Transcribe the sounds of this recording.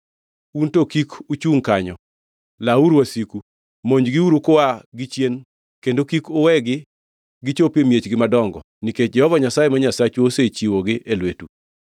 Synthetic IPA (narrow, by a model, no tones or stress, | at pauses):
untokikut͡ʃuŋkaɲɔ | lauɾwasiku | moɲd͡ʒɡɪuɾukʊaɡɪt͡ʃjen | kendokikʊwɛɡɪ | ɡɪt͡ʃopimjet͡ʃɡɪmadɔŋɡɔ̰ | niket͡ʃ̚d͡ʒɛhɔvaɲasajemaɲasat͡ʃoset͡ʃiwoɡɪʔelwetu